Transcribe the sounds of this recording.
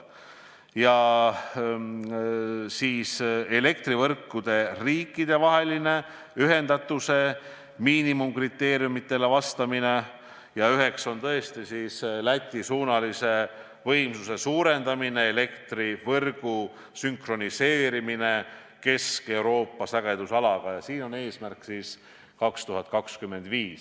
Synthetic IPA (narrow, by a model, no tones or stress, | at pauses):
jɑ | siːsele̞k̚t̪rivɤrkːud̪̥e̞riːkˑːid̪̥e̞vɑɦe̞line̞ | yɦe̞nd̪̥ɑt̪ːˑuse̞ | miːnimumkrit̪ːe̞ːɾjumit̪ːˑe̞le̞vɑst̪ɑmine̞ | jɑyɦe̞kso̞nt̪ɤ̞est̪isiːslæt̪ʲːˑisuːnɑlise̞ | vɤ̞jmsuse̞suːɾe̞nd̪̥ɑmine̞ele̞kt̪rivɤrɡ̥u | syŋkro̞nise̞ːɾimine̞ | ke̞ske̞uwɾo̞ːpːɑsæɡ̥e̞d̪̥usɑlɑɡ̥ɑjɑsiːno̞neːsmærksiːs | kɑkst̪uɦɑt̪̚kɑkskymːe̞nd̪viːs